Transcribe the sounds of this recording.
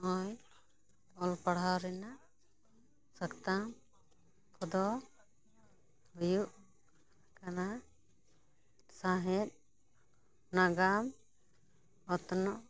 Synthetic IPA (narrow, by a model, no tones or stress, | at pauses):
ɔj | ɔlpaɽ̤awɾɛnaʔ | səkt̪am | kʰɔd̪ɔ | bəjuʔ | kana | saɦɛt̪̚ | naɡam | ɔt̪ɔnɔʔ